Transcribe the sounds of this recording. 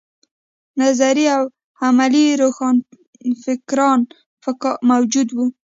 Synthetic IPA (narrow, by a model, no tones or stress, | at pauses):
nazaɾiaw | amaliɾoxɑn | fɪkɾɑn | fmawd͡ʒud̪wu